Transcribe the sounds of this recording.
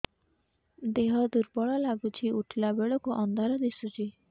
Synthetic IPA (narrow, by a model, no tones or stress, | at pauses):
d̪eɦɔd̪uɾbɔɭɔlaɡut͡ʃʰiuʈʰlabeɭɔkuʔɔnd̪ʱaɾɔd̪esut͡ʃʰi